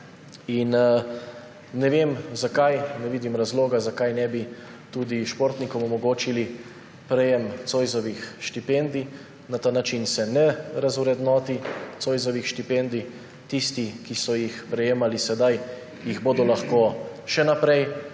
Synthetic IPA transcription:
in | nɛʋeːmzakajnɛʋiːd̪imɾazloːɡazakajnɛbi | t̪uːd̪iʃpoɾt̪nikɔmɔmɔɡoːt͡ʃili | pɾɛjɛmt̪sojzɔʋixʃt̪ipend̪i | nat̪aːnat͡ʃinsɛnɛɾazuɾɛd̪nɔːt̪it̪soːjzɔʋixʃt̪ipend̪i | t̪ist̪ikisɔjixpɾɛjeːmalisɛd̪aj | jiɣboːd̪ɔlaxkoːʃɛnapɾɛj

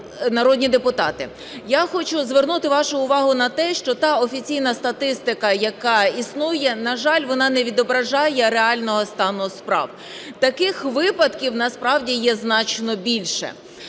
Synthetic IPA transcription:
nɐɾɔd̪ʲnʲid̪epʊt̪ɑt̪ɪ | jaxɔt͡ʃʊzʋernut̪ɪʋɑʃʊʊʋɑɦʊnɐt̪ɛʃt͡ʃɔt̪ɑɔfʲit͡sʲijnɐst̪ɐt̪ɪst̪ɪkɐjɐkɑisnujɛnɐʒɑlʲʋɔnɑnɛʋʲid̪ɔbɾɐʒɑjɛɾeɑlʲnɔɦɔst̪ɑnʊspɾɑ̰w | t̪ɐkɪxʋɪpɐd̪kʲiwnɐspɾɑwdʲijɛznɑt͡ʃnɔbʲilʲʃɛ̰

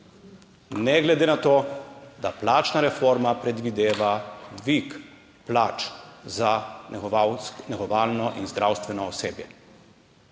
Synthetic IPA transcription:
nɛɡlɛd̪eːnat̪oːd̪aplaːt͡ʃnaɾɛfoːɾmapɾɛd̪ʋid̪eːʋad̪ʋik | plaːt͡ʃza | nɛɣɔʋaːlnɔʔinzd̪ɾʔawst̪ʋɛnɔɔseːbjɛ

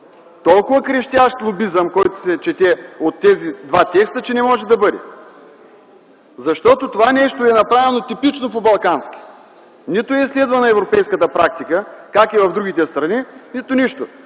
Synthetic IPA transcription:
t̪ɔlˠkʊvəkɾɛʃt̪ʲaʃt̪lˠobizəmkɔjt̪o̥sɛt͡ʃɛt̪ɛot̪ːɛzid̪vat̪ʲɛkst̪ət͡ʃɛnɛmɔʒɛd̪ɐbɤd̪ɛ̰ | zɐʃt̪ɔt̪ot̪ovanɛʃt̪oɛnɐpɾavɛnot̪ipit͡ʃnopobɐlˠkansk̟ʲi̥ | nit̪ʊɛislɛd̪vənɐɛvɾopɛjskət̪əpɾak̚t̪ikəkakivɐvd̪ɾuɡʲit̪ɛst̪ɾɐninit̪ʊniʃt̪o

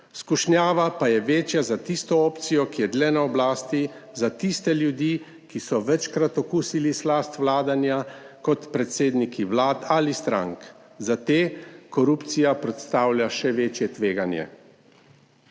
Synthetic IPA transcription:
skuʃnjaːʋapajɛʋeːt͡ʃjazat̪ist̪ɔɔːpt̪sijɔkijɛd̪lɛnaɔblaːst̪i | zat̪ist̪ɛljud̪jiː | kisɔʋɛt͡ʃkɾat̪ɔkuːsilislast̪ʋlaːd̪anjakɔt̪pɾɛt̪seːd̪nikʰiʋlaːt̪alist̪ɾa̰ŋk | zat̪eːkɔɾupt̪sijapɾɛt̪st̪aːwlʲjaʃɛʋeːt͡ʃjɛt̪ʋeːɡanjɛ̰

